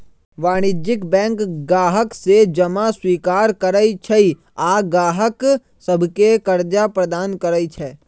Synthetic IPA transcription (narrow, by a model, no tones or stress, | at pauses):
ʋaːɽ̃ɪd͡ʒɪkbɛ̃ːŋkɡaːɦəksed͡ʒɐmaswiːkaːɾkəɾəit͡ʃʰɛi | aːɡaːɦək | səbʱkekəɾd͡ʒapɾəd̪aːnkəɾəit͡ʃʰɛː